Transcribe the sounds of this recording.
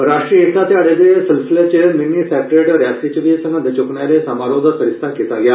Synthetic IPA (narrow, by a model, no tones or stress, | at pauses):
ɾaːʃʈɾiːeːt̪ãːt̪ɪɦaːɽeːd̪eːsɪlsɪleːt͡ʃəmɪniːpʰɛːʈeɖɾaːsiːt͡ʃʋiːsə̃ŋə̃d̪et͡ʃʊkneːɾeːsaːmaːɾõːd̪aːsʰəɾɪst̪ʰaːkiːt̪aːɡɪaː